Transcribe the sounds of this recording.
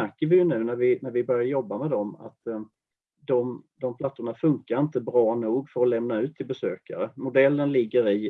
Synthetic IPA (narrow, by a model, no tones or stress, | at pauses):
æɾkəɾvɪjɵnʉ̟ːnæɾvɪnæɾvɪbœɾjaɾjɔbːamɛd̪ɔma̰t̪ | d̪ɔmd̪ɔmpʰlat̪ːʊɳafɵŋkaɾɪnt̪əbɾɑːnuːɡfœɾɔlɛmnaʉ̟ːt̪ʰːɪlbɛsøːka̰ɾəmʊd̪ɛlːənlɪɡːəɾɪ